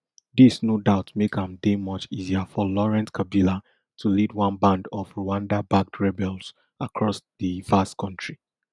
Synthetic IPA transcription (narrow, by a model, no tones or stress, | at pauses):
ðisnodaʊtmekãmðemʌt͡ʃiziafɔlɔɹɛ̃nskʰabila | tʰulid̚wɔ̃nbãndɔvɹuãndabak̚tʰɹɛbɛlˠz | akʰɹɔsðəvastkʰɔ̃ntʰɹi